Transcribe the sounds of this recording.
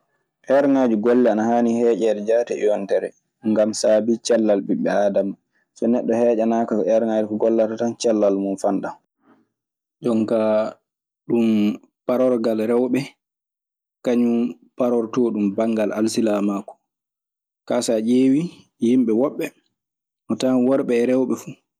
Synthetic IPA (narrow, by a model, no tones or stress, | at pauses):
ʔɛɾŋaːd͡ʒuɡɔlːɛanahaːnihɛːʔɛːɗɛd͡ʒatɛʔɛ̰jɔntɛɾɛ | ŋɡamsaːbit͡ʃɛlːalɓiɓːɛaːdam | sɔnɛɗːɔhɛːd͡ʒanakaɛɾŋad͡ʒukɔɡɔlːatatant͡ʃɛlːalmunfanɗa | d͡ʒɔŋka | ɗum | paɾɔɾɡalɾɛwɓɛ | kaɲu | paɾɔɾtɔɗumbaŋɡalʔalsilamaːkɔ̥ | kasaʔeːwi | jimɓɛwɔɓːɛ | ʔɔtanwɔɾɓɛːɾɛwɓɛfu